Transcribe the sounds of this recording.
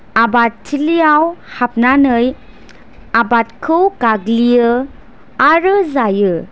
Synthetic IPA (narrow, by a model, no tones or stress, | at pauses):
abattʰːilijawhap̚nanɯj | abat̚kʰɯwkaɡlijɯ | aɾɯzajɯ